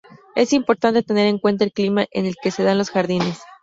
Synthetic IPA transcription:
e̞simpo̞ɾt̪ant̪et̪e̞ne̞ɾe̞ŋkwe̞nt̪aelklimaʔe̞ne̞lke̞se̞ðanlo̞sxaɾðine̞s

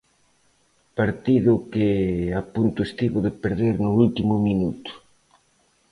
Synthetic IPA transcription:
paɾt̪iðʊkɪapunt̪ʊest̪iβʊðepeɾðeɾnʊult̪imʊminut̪ʊ̥

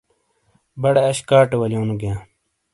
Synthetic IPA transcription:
bɐɽeɐɕkaːʈewɐljõːnuɡjãː

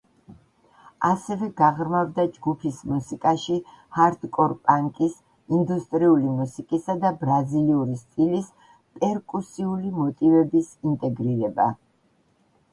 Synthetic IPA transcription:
asɛvɛɡaʁɾmavd̪ad͡ʒɡupʰismusikʼaʃi | haɾt̪ʰkʼɔɾpʼaŋkʼis | ind̪ust̪ʼɾiulimusikʼisad̪abɾaziliuɾist̪ʼilis | pʼɛɾkʼusiulimɔt̪ʼivɛbisint̪ʼɛɡɾiɾɛba̰

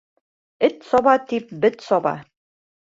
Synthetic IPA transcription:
ɘt̪sɒβɑt̪ip̚bɘt̪sɒβɑ̰

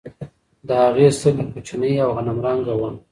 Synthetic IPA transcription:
d̪əhaɣesəlikut͡ʃanəjawɣanamɾɑŋɡawam

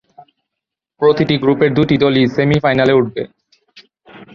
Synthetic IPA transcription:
pɾot̪iʈiɡɾupeɾd̪uʈid̪olisemifajnaleuʈ̚bḛ

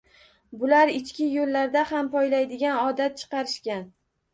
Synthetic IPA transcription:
bʊlaɾɪt͡ʃkʲɪjolːaɾd̪ahampʰɒjlajd̪ɪɡʲanɒd̪at̪̚t͡ʃʰɨ̥qɑɾɪʃkʲan

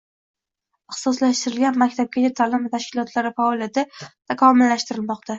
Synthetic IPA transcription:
ɪhsɒslaʃt̪ɪɾɪlɡʲanmakʲt̪ʰap̚kʲat͡ʃat̪ʰalɪmɪt̪ʰaʃkʲɪlˠɒt̪ʰlaɾɪfaɒlˠijat̪ʰɪt̪ʰakʰɒmɪlːaʃt̪ɪɾɪlmɒqt̪ʰa

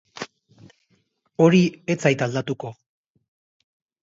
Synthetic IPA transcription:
o̞ɾie̞t͡sajt̪ald̪at̪uko̞

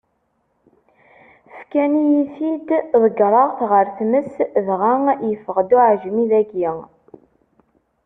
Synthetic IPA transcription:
fkænijiθid̪ðˤəɡɾˤəʁθʁəɾθməsvʁæŋjəfəʁd̪uʕʒmiðæɡiŋ

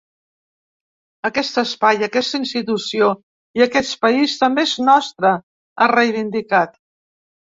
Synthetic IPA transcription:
əkɛst̪əspajəkɛst̪əinst̪it̪usio | iəkɛt͡spəist̪əmbeeznɔst̪ɾə | arejβ̞ind̪ikat̪

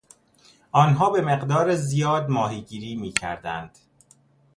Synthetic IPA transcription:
ɒːnɦɒːbe̞meɢd̪ɒːɾezijɒːd̪mɒːɦiːɟiːɾiːmiːcʰæ̰ɾd̪æ̰nd̪̥

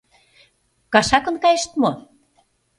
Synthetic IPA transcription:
kɑʃɑkɤ̆nkɑjeʃt̪mo

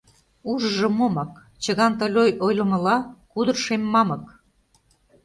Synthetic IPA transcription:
uʒəʒɤ̆momɑk | t͡ɕə̆ɣɑnt̪ə̆lʲojojlə̆mə̆lɑkud̪ə̆rʃemːɑmə̆k

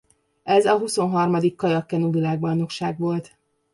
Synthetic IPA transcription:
ɛzɒɦuso̞nɦɒrmɒd̪ikːɒjɒkːɛnuvilaːɡ̚bɒjno̞kʃaːɡʋo̞lt̪

